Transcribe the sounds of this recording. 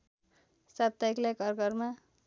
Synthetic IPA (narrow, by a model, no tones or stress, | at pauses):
sab̚t̪ajklajkʌrɡʌrma